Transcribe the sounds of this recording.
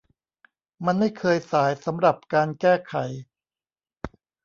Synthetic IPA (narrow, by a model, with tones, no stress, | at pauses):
ma˧nma˥˩jkʰɤː˧jsaː˩˦jsa˩˦mɾa˨˩p̚kaː˧nkɛː˥˩kʰa˨˩˦j